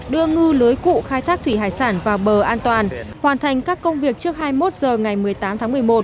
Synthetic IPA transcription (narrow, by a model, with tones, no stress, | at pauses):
ɗɨ˧əŋɨ˧ləː˨˦jkṵ˧˨xaː˧jt̪ʰaː˦˥k̚t̪ʰwi˧˩ɦaː˧˨˩jsaː˧˩nvaː˨˩wɓəː˨˩ʔaː˧nt̪waː˨˩nhwaː˨˩nt̪ʰa˨˩jŋ̟kaː˦˥kːə˧wŋ͡mvi˨˩ək̚t͡ɕɨ˦˥ək̚haː˧jmo˦˥t̚zəː˨˩ŋa˨˩jmɨ˨˩əjt̪aː˨˦mt̪ʰaː˨˦ŋmɨ˨˩əjmo˨˩t̚